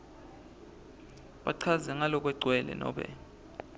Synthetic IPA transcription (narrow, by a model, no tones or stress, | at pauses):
ɓaǀʰazɛŋalɔk̬ʼwɛǀʱwɛlɛ̰nɔ̰ːɓɛ̰